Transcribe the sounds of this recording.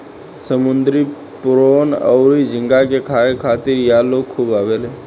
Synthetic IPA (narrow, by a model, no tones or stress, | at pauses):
səmʊnd̪ɾi | pʊɾoːnə̰ːɾid͡ʒʱɪ̃ŋɡakekʰaːekʰaːt̪iɾjaːloːkkʰːuːbaːʋeleː